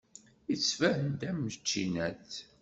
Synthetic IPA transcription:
isfæhənd̪æmːət͡ʃːinæt͡s

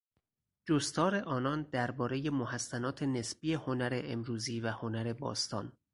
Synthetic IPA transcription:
d͡ʒost̪ʰɒːɾe̞ʔɒːnɒːnd̪æɾbɒːɾe̞je̞mohæsːænɒːt̪ʰe̞ne̞sbiːe̞honæɾe̞ʔemɾuːziːvæho̞næɾe̞bɒ̰ːst̪ʰɒ̰ːn

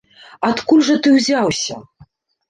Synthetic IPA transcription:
at̪kulʲʐɐt̪ɨwzʲawsʲɐ

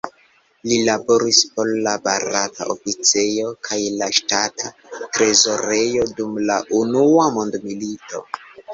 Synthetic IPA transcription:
lilabo̞ɾispo̞llabaɾɾatʰa̰ʔo̞fit͡se̞jo̞kʰajlaʃtatʰa | tɾe̞zo̞ɾe̞jo̞dumlaʔunuamondmilito̞̰

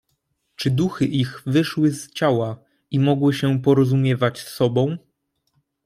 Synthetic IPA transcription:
t͡ʂɘd̪uxɘʔiɣvɘʂwɘzt͡ɕawa | imɔɡwɘɕɛpɔɾɔzumʲjɛvat͡ɕsɔbɔ̃w̃

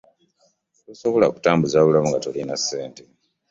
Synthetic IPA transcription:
tosoβo̞la̰ku̥taːmbuzaβulamuŋɡatolinasːe̞ːnte

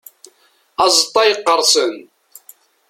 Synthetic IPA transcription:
ɑzˤt̪ˤːɑjəqːəɾˤsən

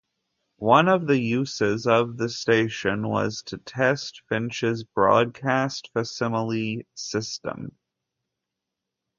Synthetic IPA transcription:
wʌ̃nʌvðɨjʉsɪzʌvðɨsteɪʃɨ̃nwʌ̰z̥tʰɨtʰɛstfɪ̃nt͡ʃɨzbɹɔ̰d̚kʰæstfəsɪml̩ˠisɪstə̰̃m

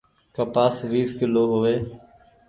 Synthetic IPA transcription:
kəpaːsʋiːskɪloːɦʊʋeː

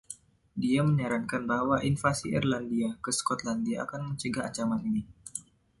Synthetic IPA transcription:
diaməɲaɾankanbaɦwaʔinfasiʔḭrlandiakəskɔt̪landiaa̰kanməɲt͡ʃəɡaːɲt͡ʃamanini

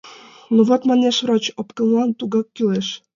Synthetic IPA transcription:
nuvɑt̪mɑnʲeʃvrot͡ɕopkɤ̆nlˠɑnt̪uɡɑkːyleʃ

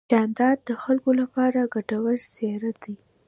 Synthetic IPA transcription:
ɑnd̪ɑd̪ːəxalkolapɑɾaɡaʈawəɾseɾat̪d̪i

